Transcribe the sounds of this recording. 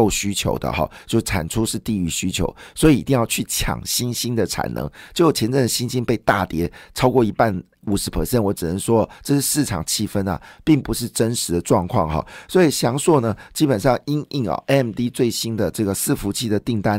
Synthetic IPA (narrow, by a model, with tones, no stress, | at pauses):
o˥˩ʊɕy˥t͡ɕʰjo̰˧˥ʊd̪ə̰˨xɑ̰˨˩t͡ɕjo˥˧ʊ˥˩ʈ͡ʂʰa̰˨˩nʈ͡ʂʰu˥ʂɻ̩˥˧t̪i˥˧y˧˩ɕy˥t͡ɕʰjo̰˧˥ʊswɔ˧˥i˨˩i˧˥t̪i˥˧jɑ˥˧ʊt͡ɕʰy˥˩t͡ɕʰjɑ̰˨˩ŋɕi˥nɕi˥nd̪ə˨ʈ͡ʂʰa̰˨˩nʔɤ̰˧˥ŋt͡ɕjo˥˩ʊjo˨˩t͡ɕʰjɛ˧˥nʈ͡ʂɤ˥˩ŋd̪ə˩ɕi˥nɕi˥npe˥˧ɪt̪a˥˩t̪jɛ˧˥ʈ͡ʂʰɑ˥ʊkwɔ˥˩i˧˥pa˥˩n | u˨˩ʂɻ̩˧˥pʰə̰˨˧˩ɕjɛ˥˩nwɔ˧˥ʈ͡ʂɻ̩˨˩nə˧˦nʂwɔ˥˨˩ʈ͡ʂɤ˥˧ʂɻ̩˥˧˥sɹ̩˥˩ʈ͡ʂʰɑ̰˨˩ŋt͡ɕʰi˥˩fə˥nɐ̰˨˩pi˥˩ŋpu˧˦ʂ̬ɻ̩˥˩ʈ͡ʂə˦˥nʂɻ̩˨˧˥d̪ə˨ʈ͡ʂwɑ˥˧ŋkʰwɑ̰˥˧ŋxɑ̰˨˩swɔ˧˥i˨˩ɕjɑ˧˥ŋswɔ˥˩nə˩t͡ɕi˥pə˨˩nʂɑ˥˩ŋi˥ŋi˥˩ŋə̰˨˩ʔɛ˥˩mt̪i˥t͡swe˥˩ɪɕi˥nd̪ə˨ʈ͡ʂɤ˥˩ɡə˩sɹ̩˥˩fu˧˥t͡ɕʰi˥˩d̪ə˩t̪i˥˩ŋt̪a˥n